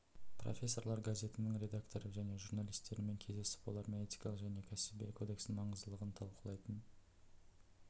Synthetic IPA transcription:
pro̞̰fʲe̞sːo̞ɾlɑɾɡazʲe̞t̪ɪnɪŋɾʲe̞d̪akt̪o̞ɾəʒæne̞ʒuɾnalʲijst̪e̞ɾɪme̞ŋkʲʰe̞zd̪e̞sɪ̥pbolˠɑɾmeet̪i̥jkɑlˠəqʒæne̞kʲʰæsɪbekʰo̞d̪e̞ksɪmɑɴəzd̪əlˠəʁənt̪ʰɑlˠqəlˠɑjt̪ən

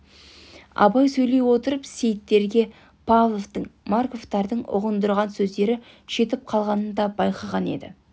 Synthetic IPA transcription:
ɑ̰bɑjsɵjle̞jwo̞t̪əɾəpse̞jt̪ːe̞ɾɡʲe̞ | pʰavlˠo̞vt̪əɴmaɾko̞ft̪ɑɾd̪əɴʊ̰ʁənd̪əɾʁɑnsɵzd̪e̞ɾɪ | ʃe̞t̪ɪp̚qʰɑlˠʁɑnənd̪ɑbɑjqɑʁɑne̞̰d̪ɪ̰

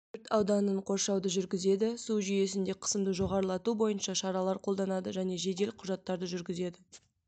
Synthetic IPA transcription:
ɾt̪ɑwd̪ɑnəɴqʰo̞ɾʃɑwd̪əʒʏɾɡʲɪze̞d̪ɪsuʒʏje̞s̬ɪnd̪e̞qʰə̥səmd̪əʒo̞ʁɑɾəlˠɑt̪ubo̞jənʃɑʃɑɾɑlˠɑɾqʰo̞lˠd̪ɑnɑd̪əʒæne̞ʒe̞d̪e̞lqʰʊʒɑt̪ːɑɾd̪əʒʏɾɡʲɪze̞d̪ɪ

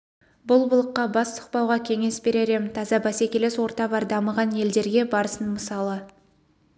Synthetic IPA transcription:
bʊlˠbʊlˠəqːɑbɑst̪ʰʊ̥q̚pɑwʁɑkʲʰe̞ŋe̞sbe̞ɾeɾe̞mɪnt̪ʰɑzɑbæsekʲeleswo̞ɾt̪ɑbɑɾd̪ɑməʁɑnje̞ld̪e̞ɾɡʲe̞bɑɾəsənməsɑlˠə

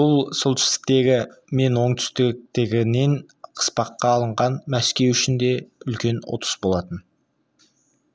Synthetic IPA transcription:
b̥ʊlˠsʊlˠt̪ʰʏ̥st̪ɪ̥k̚t̪e̞ɡʲɪme̞nwo̞ɴt̪ʰʏ̥st̪ɪk̚t̪ɪɡʲɪne̞ɴ | qʰə̥spɑqːɑːlˠəɴʁɑnmæskʲe̞wʏʃɪnd̪e̞ʏlkʲe̞nwo̰t̪ə̥sbo̞lˠɑt̪ən

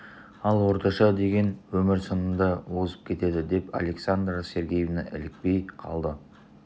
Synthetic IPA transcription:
ɑlˠwo̞ɾt̪ɑʃɑd̪e̞ɡʲe̞nwɵmɪɾsənənd̪ɑwoʁəzəp̚kʲʰe̞t̪e̞d̪ɪd̪e̞pa̰le̞ksand̪ɾase̞ɾɡʲejevnɑʔɪ̰lɪk̚pe̞jqʰɑ̰lˠd̪ə

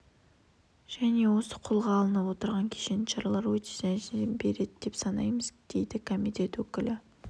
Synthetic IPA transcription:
ʒ̥æne̞wo̞sə̥qʰolˠʁɑːlˠənəpwo̞t̪əɾʁɑŋkʲʰe̥ʃe̞nʃɑɾɑlˠɑɾwɵt̪e̥zæʒɪbe̞ɾe̞d̪ɪd̪̥e̞psɑnɑ̰jməzd̪̥e̞jd̪ɪkʰo̞mit̪e̞t̪wɵkʲɪlɪ

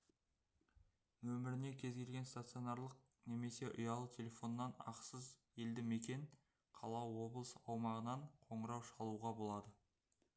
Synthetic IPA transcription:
wɵmɪɾɪne̞kʲʰe̞zɡʲe̞lʲɡʲe̞nst̪at̪sio̞naɾlˠəq̚ | ne̞me̞se̞ʔʊjɑlˠət̪ʲʰe̞lʲe̞fo̞nːɑnɑ̰qsəz | e̞ld̪ɪme̞kʲe̞ɴ | qʰɑlˠɑwo̞blˠəsɑwmɑʁənɑɴqʰo̞ɴəɾɑwʃɑlˠuʁɑbo̞lˠɑd̪ə

